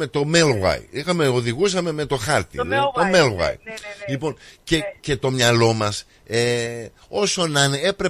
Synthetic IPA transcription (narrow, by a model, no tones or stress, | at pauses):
e̞t̪o̞melwɐ̰iixɐmeoðiɣusɐme̞me̞t̪o̞xɐɾt̪ḭt̪o̞melwɐ̰jlipo̞ncece̞t̪o̞mɲɐlo̞mɐs | e | o̞so̞nɐne̞pɾe̞